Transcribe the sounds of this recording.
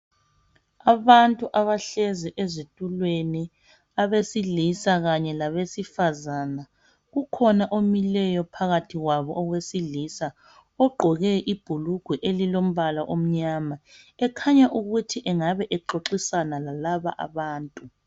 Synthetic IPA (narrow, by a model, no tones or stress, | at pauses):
aβantʼuʔaβaɬeziʔezitʼulweni | aβesilisaɣaɲɛlaβesifazaːna | ɣukʰɔnaʔomilɛjɔpʰaɣatʰiɣwaβɔɔɣwesilisa | ɔɡ͡ǃʱɔɣɛʔib̥ʱuluɡ̥ʱwɛʔelilom̩βalaʔom̩ɲamaɛkʰaɲaʔuɣutʰiʔɛŋaβɛʔɛǃoǁisanalalaβa̰ʔa̰βaːntʼu